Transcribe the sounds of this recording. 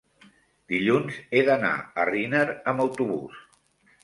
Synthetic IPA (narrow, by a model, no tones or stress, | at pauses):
d̪̥iʎunzeðəna̰ərinəɾəməwt̪uβṵs